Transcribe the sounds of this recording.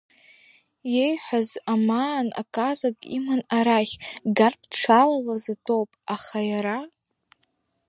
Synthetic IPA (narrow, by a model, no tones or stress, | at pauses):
je̞jħʷazamana̰kʼazakʼḭmɨnaɾaχʲɡarpʰʈ͡ʂʰalalazatʰʼowpʼaχajaɾa